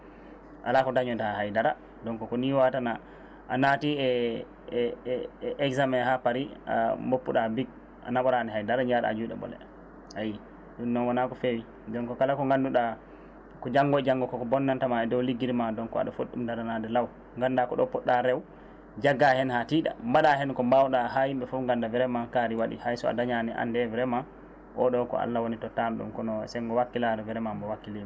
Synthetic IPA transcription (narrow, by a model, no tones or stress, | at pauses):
ʔa̰lakɔdaɲɔtaɦajdaɾa | dɔnkɔkɔniwatana | ʔanatiɛ | ʔɛkzamɛhapaɾia̰mopːuɗabiɡ | ʔa̰naɓɔɾanɛɦajdaɾaɲaɗa̰a̰d͡ʒujɗɛ̰bɔ̰lɛ̰ | haji | ɗunːɔnwanakɔfewi | dɔnkɔkalakɔŋɡanduɗa | kɔd͡ʒaŋɡɔd͡ʒaŋɡɔkɔkɔbɔnːantamaɛdɔwliɡːiɾmadɔnkɔa̰ɗɔfoɗːumdaɾanadɛlaw | ŋɡandakɔɗɔpɔɗːaɾɛw | d͡ʒaɡːahɛnhatiɗa̰mbaɗahɛnkɔmbawɗaɦahimɓɛfuŋɡandavɛɾɛmankaɾiwaɗḭhajsɔa̰daɲanɛʔa̰ndɛvɛɾɛma | ʔɔɗɔkɔ̰a̰lːawonitɔtamɗṵmkɔnɔsɛŋɡɔwakːiladɔvɛɾɛmambɔwakːilima